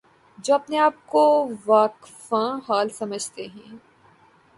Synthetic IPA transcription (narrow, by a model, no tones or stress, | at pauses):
d͡ʒoːɐpneaːp̚koʋaːkfãɦaːlsɐməd͡ʒʱt̪eɦɛ̃ː